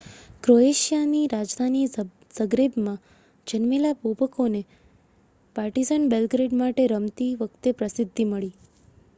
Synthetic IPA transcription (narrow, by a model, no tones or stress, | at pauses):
kɾoeʃjaniɾad͡ʒd̪ʱani | səɡɾebmã | d͡ʒənmelabobəkone | paɾʈizanbelɡɾeɖmaʈeɾəmt̪iʋəkʰt̪epɾəsɪd̪ʱːiməɭi